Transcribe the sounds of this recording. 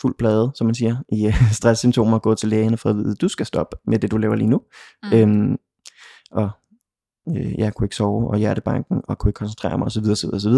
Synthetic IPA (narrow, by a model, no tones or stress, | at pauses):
ful̰b̥ʰlɛːð̞̩ˠsɒ̽mːænsiːɐʔisd̥ʁasːymt͡sʰo̝̰ːmɐɒ̽ɡ̥ɔ̰̽ːt͡sʰe̝lːeːənəfɒðʋḭðˠd̥usɡ̥æsd̥ɒ̽b̥med̥e̝d̥ulɛʊɐlḭːnuøm | ʔɒ̽ | øjækʰue̝ɡ̥sɒʊʔɒ̽jæɐɾəb̥ɑ̈ŋ̰ɡ̥ŋ̩ɒ̽kʰue̝ɡ̥kʰɒ̽nsnt͡sʰʁḛːɐmɑ̈ɪɒ̽sɒʋiðˠɐsɒʋið̞ˠːsɒʋiðˠɐ